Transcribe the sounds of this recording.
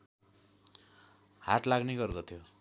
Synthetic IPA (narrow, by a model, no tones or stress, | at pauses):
haʈlaɡneɡʌrd̪ʌt̪ʰjo